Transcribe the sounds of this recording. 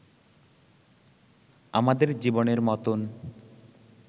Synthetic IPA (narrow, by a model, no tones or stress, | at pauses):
amad̪eɾd͡ʑiboneɾmɔt̪on